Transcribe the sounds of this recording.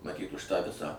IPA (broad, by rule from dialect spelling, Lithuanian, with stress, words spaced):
mɐˈtʲiːt ʊʃ tɑː ˈʋʲɪsɑː